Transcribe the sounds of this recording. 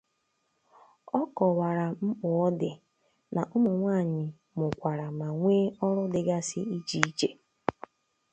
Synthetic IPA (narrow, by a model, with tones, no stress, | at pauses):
ɔ˦kɔ˨wa˨ɾa˨m̩˦k͡pʊ˨ɔ˦dɪ˨ | na˨ʔʊ˦mʊ˨ŋʷaː˦˨ɲɪ˨ | mʊ˨kʷa˨ɾa˨ma˨ŋʷeː˦ɔ˦ɾʊ˦dɪ˨ɡa˦sɪ˦i˦t͡ʃi˨i˦t͡ʃe˨